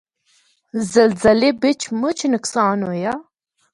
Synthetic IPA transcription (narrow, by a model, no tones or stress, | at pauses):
zɐlzɐlebet͡ʃʰmɨt͡ʃʰnɨksɑːnojɑ